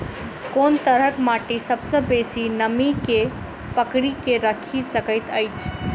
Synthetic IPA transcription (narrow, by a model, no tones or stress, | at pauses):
kont̪əɾɦəkmaʈisəbsə̃besinəmike | pəkɽikeɾəkʰisəkəɪt̪əjt͡ʃʰ